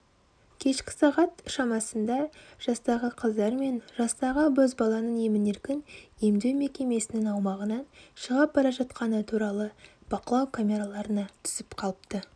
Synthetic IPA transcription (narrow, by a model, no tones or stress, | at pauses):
kʲʰe̞ʃkʲɪ̥sɑʁɑt̪ʃɑmɑsənd̪ɑʒ̥ɑst̪ɑʁəqʰəzd̪ɑɾme̞nʒɑst̪ɑʁəbɵzbɑlˠɑnəɴemɪne̞ɾkʲɪnje̞md̪e̞wme̞kʲe̞me̞sɪnɪŋɑwmɑʁənɑnʃəʁɑp̚bɑɾɑʒɑt̪qɑnət̪ʰuɾɑlˠəb̥ɑqəlˠɑwkʰamʲe̞ɾalˠɑɾənɑt̪ʰʏ̥z̥ɪpqʰɑlˠəpt̪ə